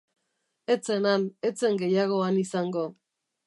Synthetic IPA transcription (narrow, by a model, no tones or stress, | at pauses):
e̞t͡se̞nane̞t͡se̞ŋɡe̞jaɣo̞anisaŋɡo̞